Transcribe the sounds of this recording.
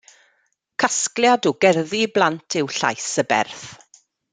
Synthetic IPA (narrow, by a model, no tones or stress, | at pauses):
kʰasklˠjadɔɡɛrðiblˠantʰɪwɬa̰jsəbɛ̰rθ